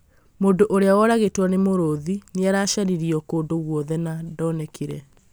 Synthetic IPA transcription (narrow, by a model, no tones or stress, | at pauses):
moːndoʔoɾeawɔɾaɣetwanemoɾoðineaɾaɕaɾiɾiɔkoːndoɣwɔðɛnadɔnɛkʰiɾɛ